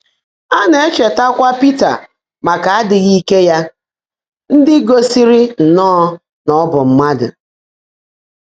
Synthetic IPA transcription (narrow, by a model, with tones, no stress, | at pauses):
a˦ne˨e˦t͡ʃe˨ta˦kʷa˦pi˦ta̰˨ | ma˨ka˨a˦dɪ˨ɣi˦ke˦ja˦ | n̩˦dɪ˦ɡo˦si˦ɾɪ˦n̩˨nɔː˦ | nɔ˦bʊ˨m̩˦ma˦dʊ̰˨